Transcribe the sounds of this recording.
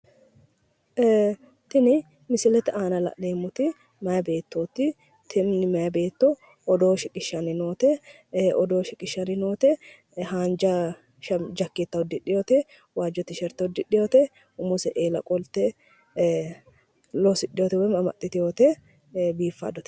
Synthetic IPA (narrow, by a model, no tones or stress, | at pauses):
t̪ɪnɪ | mɪsɪlɛt̪ɪaːnɐlɐ̰ʔneːmʊt̪ɪ | mɐjɐbe̞ːt̪ːoːt̪ːɪ | t̪ʰɪmnɪmɐjɐbe̞ːt̪ːɔ | ɔd̪oːʃɪkʼɪʃːɐnɪnoːt̪ɛ | ʔɔd̪oːʃɪkʼɪʃːɐnɪnoːt̪ɛ | haːnd͡ʒɐ | ʃɐmd͡ʒɐkːɪt̪ːɐɔd̪ːɪᶑɪjoːt̪ɛ | waːd͡ʒɔt̪ːɪʃɛɾt̪ːɐɔd̪ːɪᶑːɪjoːt̪ɛ | ʊmʊsɛʔeːlɐ̰kʼɔlt̪ɛ | losɪᶑːɪjoːt̪ɛwɛmɐmɐ̰t̪ːɪt̪ɪjoːt̪ɛ | biːfːɐ̰d̪ɔt̪ɛ̥